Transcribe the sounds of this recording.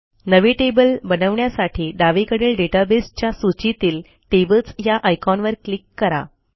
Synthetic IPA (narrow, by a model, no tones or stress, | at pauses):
nəʋiʈebəlbənəʋɳjasaʈʰiːɖaʋikəɽeːlɖeʈabest͡ɕjasut͡ɕit̪iːl | ʈebət͡sjaʔajkɔnʋəɾklikːəɾa̰